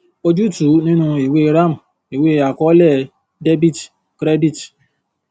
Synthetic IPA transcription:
o˧d͡ʒu˦tu˨˦nĩ˦nũ˦˧i˨we˦˧˦ɾa˦˨m̩˨ | i˨we˦a˨kɔ˦lɛ˦˨ | de˦bi˦˨t | kɾɛ˦bi˦˨t

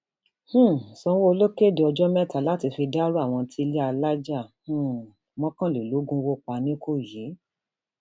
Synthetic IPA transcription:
h̩˦˨sɔ̃˧˦wo˦o˧lo˦ke˦˨de˨˧ɔ˧d͡ʒɔ˦mɛ˦˨ta˨la˦ti˧fi˧da˦ɾu˦a˦˨w̃ɔ̃˧tʰi˦˧le˦a˧la˦d͡ʒa˦˨h̩˦˨ | mɔ̃˦kã˦˨le˨lo˨˦ɡũ˦˧wo˦˨k͡pa˧˨nĩ˦kʰo˦˨je˨˦

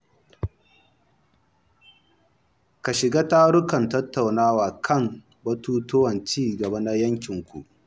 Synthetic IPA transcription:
ka˨ʃɪ˨ɡaː˦taː˦ɽʊ˦kɐ˨ntɐ˦tːa˨wnaː˦waː˨kʰɐ˦˨m | bɐ˦tuː˦tʊ˦wɐ˨nt͡ʃiː˦˨ɡɐ˨ba˦na˦jɐ˦ŋkʲɪ˨ŋkʷu˨ʔ

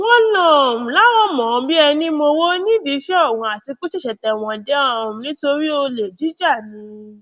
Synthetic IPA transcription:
wɔ̃˦lã˦˨ũ˨la˦w̃ɔ̃˦mɔ̃˨˧bi˦ɛ˧nĩ˦mo˧wo˦nĩ˦di˧˦ʃɛ˦ɔ˦˨wũ˧a˨ti˧ku˦ʃɛ˦˨ʃɛ˨tɛ˨w̃ɔ̃˧dɛ˦ã˦˨nĩ˦to˧ɾi˦o˧le˨d͡ʒi˨˦d͡ʒa˦˨nĩ˧˦

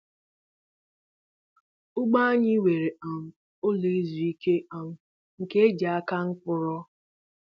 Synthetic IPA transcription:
ʊ˦ɡ͡ba˦a˦ɲɪ˦we˨ɾe˨a˨m̩˨ | o˦le˨e˦zu˨i˦ke˦a˨m̩˨ | ŋ̩˨ke˦e˦d͡ʒa˨a˦ka˦ŋ̩˦k͡pʊ˨ɾɔ˦

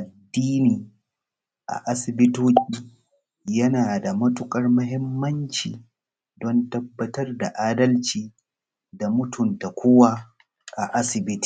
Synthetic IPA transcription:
ʔa˨dːiː˦niː˨ | ʔa̰˨ʔa˦sɪ˨bɪ˦toː˦kʲʼiː˦ | jɐ˦naː˨da˨mɐ˦tʊ˦kʼɐ˦rmɐ˦ɦɪ˦mːɐ˦nt͡ʃḭː˨ | dɔ˦ntɐ˦bːɐ˦tɐ˦rda˨ʔaː˦dɐ˦lt͡ʃiː˦ | da˨mʊ˦tʊ˨nta˨kʷʊ˦wa˦ | ʔa˨ʔa˦sɪ˨bɪ˦ti̥ː˨

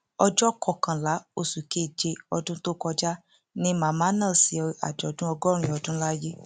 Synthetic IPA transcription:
ɔ˧d͡ʒɔ˦kɔ˧˨kã˨la˨˦o˧su˨ke˦˨d͡ʒe˧ɔ˧dũ˦to˦kɔ˧d͡ʒa˦ | nĩ˧mã˨mã˨˦nã˦˨si˨˦a̰˨d͡ʒɔ˨˦dũ˦ɔ˧ɡɔ˦ɾ̃ĩ˨˧˦ɔ˧dũ˦la˦je˦

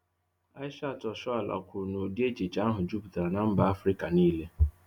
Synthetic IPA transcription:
a˦ɪ˦ʃa˦˨tɔ˨ʃɔ˦a˨lʔa̰˨kʷʊ˨ɾʊ˨no˨di˦e˦d͡ʒe˨t͡ʃa˦ɦʊ˨d͡ʒu˦bta˨ɾa˨na˨m̩˦ba˨a˦fɾi˦ka˨niː˦le˦

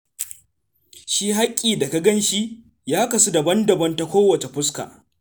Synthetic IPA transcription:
ʃiː˦ɦa˦kʲʼːiː˨da˨ka˦ɡɐ˦nʃi˦ | jaː˦kɐ˨su˦da˨bɐ˦ndɐ˨bɐ˦nta˦kʷoː˦wɐ˨t͡ʃe˨ɸʊ˦ska̰ː˨

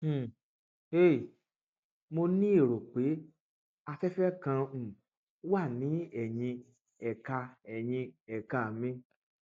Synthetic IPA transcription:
e˦˨ | mo˧nĩ˦e˦˨ɾo˨k͡pe˨˦ | a˧fɛ˦fɛ˦kã˧˨ | wa˦˨nĩ˨˦ɛ˦˨jĩ˧ | ɛ˨ka˧ɛ˨j̃ĩ˧ɛ˨ka˨mĩ˧

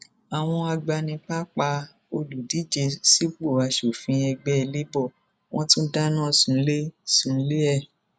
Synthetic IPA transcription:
a˨w̃ɔ̃˧a˧ɡ͡ba˧nĩ˧k͡pa˦k͡pa˧ | o˧lu˨di˨˦d͡ʒe˧si˦k͡po˦˨a˧ʃo˨fĩ˨˧ɛ˧ɡ͡bɛ˦˧le˦bɔ˦˨ | wʔɔ̃˦tũ˦da˦nã˦sũ˨˦le˦sũ˨˦le˦ɛ˦˨

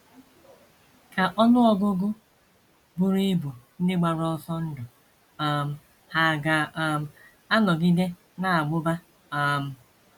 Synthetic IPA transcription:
ka˨ʔɔ˦nʊ˦ɔ˦ɡʊ˦ɡʊ˦ | bʊ˦ɾi˦bu˨n̩˦dɪ˦ɡ͡ba˨ɾɔ˦sɔ˦n̩˦dʊ˨ | a˦˨m̩˦ | ha˨ɡa˨m̩˦ | a˦nɔ˨ɡi˦de˦ | na˦˨a˨ɡ͡bʊ˦ba˦ | a˦˨m̩˦

